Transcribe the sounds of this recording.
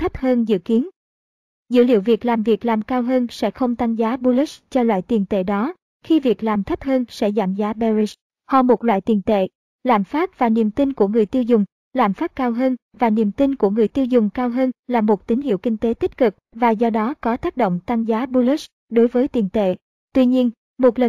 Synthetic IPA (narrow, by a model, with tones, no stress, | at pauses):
t̪ʰə˦˥p̚həː˧nzɨ̰˧˨ki˨˦ən | zɨ̰˧˥lḭ˧˨əwvi˨˩ək̚laː˨˩mvi˨˩ək̚laː˨˩mkaː˧wɦəː˧nsɛ̰˧˥xə˧wŋ͡mt̪a˧ŋzaː˨˦ɓu˧li˦˥st͡ɕɔ˧lwa̰ː˧˨jt̪i˨˩ənt̪ḛ˧˨ɗɔ˨˦ | xi˧vi˨˩ək̚laː˨˩mt̪ʰə˦˥p̚həː˧nsɛ̰˧˥za̰ː˧˩mzaː˨˦ɓɛ˧zi˧s | hɔ̰˧˨˩mo˨˩t̚lwa̰ː˧˨jt̪i˨˩nt̪ḛ˧˨ | la̰ː˧˩mfaː˦˥p̚vaː˨˩nḭ˧˨˩əmt̪i˧nku˧˩əŋɨ˨˩əjt̪i˧əwzʊ˨˩ŋ͡m | laː˨˩mfaː˦˥p̚kaː˧wɦəː˧n | vaː˨˩nḭ˨˩əmt̪i˧nku˧˩əŋɨ˨˩əjt̪i˧wzʊ˨˩ŋ͡mkaː˧wɦəː˧nlaː˨˩mo˨˩t̚t̪ï˨˦ŋ̟hḭ˧˨wkï˧ŋ̟t̪e˨˦t̪i˦˥k̟̚kɨ˨˩k̚vaː˨˩zɔ˧ɗɔ˨˦kɔ˨˦t̪aː˦˥k̚ɗo̰˧˨ŋ͡mt̪a˧ŋzaː˨˦ɓu˧li˦˥s | ɗo˨˦jvəː˨˦jt̪i˨˩ənt̪ḛ˧˨ | t̪wi˧ɲi˧ən | mo˨˩t̚lə˨˩